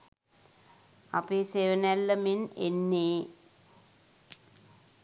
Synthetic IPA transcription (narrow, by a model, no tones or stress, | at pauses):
apeːseːʋənælːəmenenːeː